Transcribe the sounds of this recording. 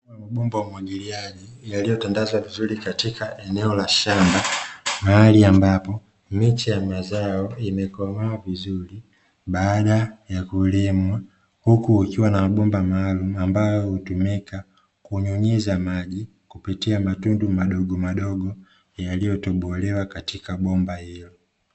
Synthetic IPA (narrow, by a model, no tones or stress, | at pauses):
amaɓɔmbawamwaɡiliaʄijalijɔtandazwavizulikatikaʔɛnɛɔlaʃambamaaliambapɔ | mit͡ʃijamazaɔimɛkɔmawavizuli | ɓaːɗajakulimwa | hukuːkiwanaaɓɔmbamaːlumuambajɔhutumika | kuɲuɲizamaʄi | kupitiamatundumaɗɔɡɔmaɗɔɡɔ | jalijɔtɔɓɔlɛwakatikaɓɔmbahilɔ